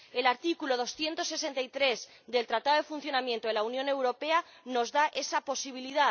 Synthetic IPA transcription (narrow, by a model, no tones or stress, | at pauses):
e̞laɾt̪ikuloð̞o̞sθje̞nt̪o̞sːe̞sent̪ait̪ɾe̞z | d̪e̞lt̪ɾat̪aðoðe̞fun̟θjo̞namjẽnt̪oelaunjone̞wɾo̞pe̞a | no̞zðaʔe̞sapo̞siβ̞iliða